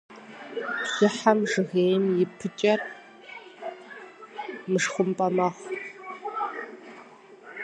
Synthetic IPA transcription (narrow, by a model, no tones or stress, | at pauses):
sɨħamʐɨɣeːjnjɪpʰɨt͡ʃʼɐr | mɨʂχʷʊmpʼɐmɐʁ